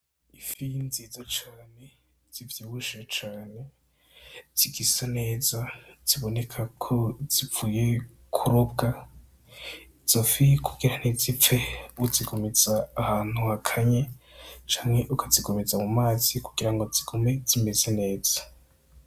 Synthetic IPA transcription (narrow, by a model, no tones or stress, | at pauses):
ifinzezat͡ʃaːne̞ | z̥ivjiwuʃat͡ʃaːne̞ | z̥iɡisane̞ːzaz̥iβone̞kʰakʰoz̥ivuːje | kʰuɾobɡa | iz̥ofikʰuɡ̥iɾanezip͡feuziɡomezaːhaːn̥huakʰaɲet͡ʃaːŋeʔukʰoziɡomezamumaːzikuɡ̥iɾaŋɡo̞ziɡ̥ome̞z̥ime̞zene̞ːz̥ḁ